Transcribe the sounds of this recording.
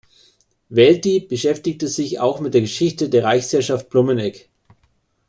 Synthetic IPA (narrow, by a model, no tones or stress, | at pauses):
vɛltib̥əʃɛftɪk̚təzɪça̰ʊxmɪt̚d̥eːɐɡəʃɪçtədeːɐʁaɪçshɛɐʃaft̚b̥lumənɛk